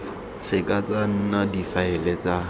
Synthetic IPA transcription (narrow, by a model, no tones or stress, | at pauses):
sɪkʼat͡san̩nadifaɛlet͡sa